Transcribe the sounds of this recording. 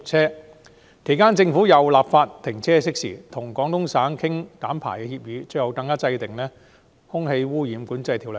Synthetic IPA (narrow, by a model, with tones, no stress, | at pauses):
t͡sʰɛː˥ | kʰe˨˩jkaː˥nt͡sɪ˧ŋfuː˨˥jɐ˨˩wlaː˨p̚faː˧t̚t̪ʰːɪ˨˩ŋt͡sʰɛː˥sɪ˥k̚sḭː˨˩t̪ʰʊ˨˩ŋkɔː˨˥ŋt̪ʊ˥ŋsaː˨˥nkʰɪ˥ŋkaː˨˥mpʰa̰ː˨˩jkɛː˧hiː˧p̚jyː˨˧t͡sɵ˧jɐ˨˧wkɐ˧ŋkːaː˥t͡sɐ˧jt̪ɪ˨ŋlɛː˥ | hʊ˥ŋhe˧jwuː˥jiː˨˧mkuː˨˥nt͡sɐ˧jt̪ʰi˨wl